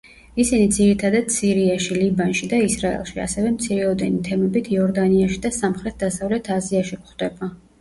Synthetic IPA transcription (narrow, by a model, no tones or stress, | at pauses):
isinid̪ziɾit̪ʰad̪ad̪̥siɾiaʃilibanʃid̪aisɾaɛ̰lˠʃia̰sɛvɛmt̪sʰiɾɛɔd̪ɛnit̪ʰɛmɛbit̪ʰiɔɾd̪aniaʃid̪asamχɾɛt̪̚ʰd̪asavlɛt̪ʰaziaʃikχd̪ɛba